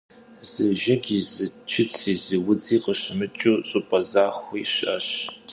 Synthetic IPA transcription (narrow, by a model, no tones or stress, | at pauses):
zɨʒɐɡizɨt͡ʃʰɪt͡sʰiːzɨwʊd͡ziːqəɕɨmɨt͡ʃʼuːɕʼʊpʼɐzaːxʷiːɕɐ̰ɕ